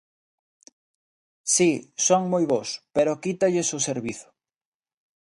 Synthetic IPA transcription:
sisoŋmojβospeɾokit̪aʎesoseɾβiθʊ̥

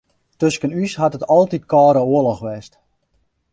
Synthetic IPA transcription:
tøskənyshatətɔlˠtitkɔːɾəoəlɔxʋɛst

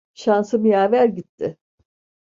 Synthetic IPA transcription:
ʃansɯmijaːvæɾɟit̪ʰːɪ

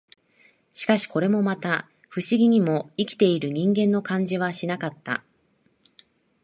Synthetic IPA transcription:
ɕi̥kaɕi̥ko̞ɾe̞mo̞mat̪a | ɸɯ̟ɕiɡʲiɲ̟imo̞ikʲi̥t̪e̞iɾɯ̟ɲ̟ĩŋɡẽ̞nːo̞kãɲ̟d͡ʑiβ̞aɕinakat̪ːa̰

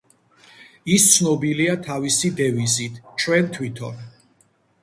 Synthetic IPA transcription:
ist̪sʰnɔbiliat̪ʰavisid̪ɛvizit̪ʰt͡ʃʰwɛnt̪ʰwit̪ʰɔ̰n

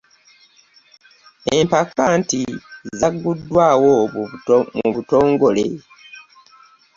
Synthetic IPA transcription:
e̞mpakːaːntizzaɡːudːwaːwo | muβuto̞ːŋɡo̞le̞

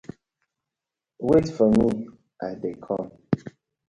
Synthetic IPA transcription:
wetfɔmi | ʔadekʰɔ̃m

